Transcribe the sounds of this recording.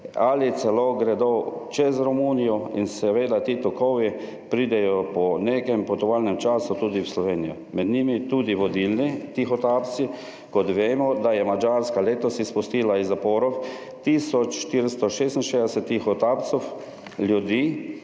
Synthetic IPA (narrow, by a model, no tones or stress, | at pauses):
alit̪sɛloɡɾɛd̪ɔt͡ʃɛzɾɔmunijɔḭnsɛʋeːd̪at̪iːt̪ɔkɔwʋi | pɾiːd̪ɛjɔpɔneːkɛmpɔt̪ɔʋaːlnɛmt͡ʃaːsut̪uːd̪iwslɔʋeːnijɔ | mɛd̪nimit̪uːd̪iʋɔd̪ilnit̪ixɔt̪aːpt̪si | kɔt̪ʋeːmɔd̪ajɛmad͡ʒaɾskaleːt̪ɔsispust̪iːlaizːapɔːɾɔw | t̪isɔt͡ʃʃt̪iɾst̪ɔʃeːst̪n̩ʃezd̪ɛsɛt̪ːixɔt̪apt̪sɔw | ljud̪iː